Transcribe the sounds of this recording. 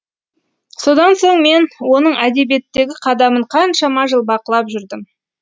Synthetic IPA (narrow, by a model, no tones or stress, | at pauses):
so̞d̪ɑnso̞ɴme̞nwo̞nəɴæd̪e̞bijet̪ːe̞ɡʲɪqʰɑd̪ɑməɴqʰɑnʃɑmɑʒəlˠbɑqəlˠɑpʒʏɾd̪ɪm